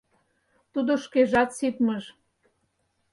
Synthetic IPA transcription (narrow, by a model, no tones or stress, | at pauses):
t̪ud̪oʃkeʒɑt̪sip̪məʃ